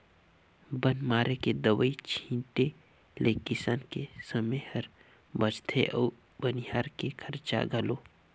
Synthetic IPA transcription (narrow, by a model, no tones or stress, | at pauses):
bənmaːɾeked̪əwəit͡ʃʰĩːʈe | lʔeːkɪsaːnkesəmehɐɾ | bət͡ʃt̪ʰeʔɔː | bɐnɪɦaːɾkekʰɐɾt͡ʃa̰ɡʱɐloː